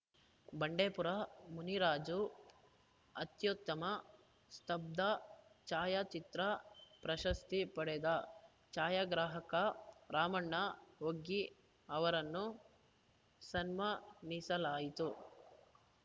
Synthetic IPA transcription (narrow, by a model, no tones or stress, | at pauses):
bɐɳɖeːpuɾɐmuniɾaːd͡ʒu | ɐt̪jut̪ːɐmɐ | st̪ɐb̚d̪ɐt͡ʃaːjat͡ʃit̪ɾɐpɾɐʃɐst̪ipɐɽɛd̪ɐ | t͡ʃaːjaɡɾaːɦɐkɐɾaːmɐɳːɐoɡːi | ɐʋɐɾɐnːu | sɐnmɐnisɐlaːjit̪u